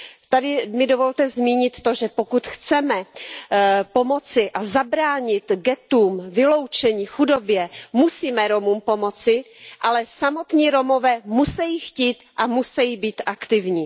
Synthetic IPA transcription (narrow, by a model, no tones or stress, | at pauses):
t̪adɪmɪdovo̞lt̪ɛzmiːɲɪt̪ːo̞ʒɛpo̞kut̪xt͡sɛmɛ | po̞mo̞t͡sɪʔazabɾaːɲɪt̪ɡɛt̪uːmvɪlo̞wt͡ʃɛɲiːxudo̞bjɛmusiːmɛɾo̞muːmpo̞mo̞t͡sɪ | ʔalɛsamo̞t̪ɲiːɾo̞mo̞vɛːmusɛjiːxciːt̪ʔamusɛjibiːt̪ʔakt̪ɪvɲiː